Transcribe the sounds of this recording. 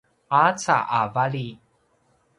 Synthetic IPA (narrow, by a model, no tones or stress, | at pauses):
at͡sa̰ʔavali